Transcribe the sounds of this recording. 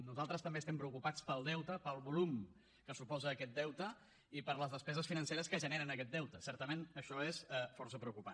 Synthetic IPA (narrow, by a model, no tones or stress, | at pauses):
nuzalˠt̪ɾəst̪əmbeːst̪ɛmpɾəukupat͡spəlˠd̪ɛwt̪əpəlˠβulum | kəsupɔzəːkɛt̪̚d̪ɛwt̪ə | ipəɾləzðəspɛzəsfinənseɾəskəʒəneɾənəkɛt̪̚d̪ɛwt̪əsɛɾt̪əmenəʃɔesɛfɔrs̬əpɾəukupa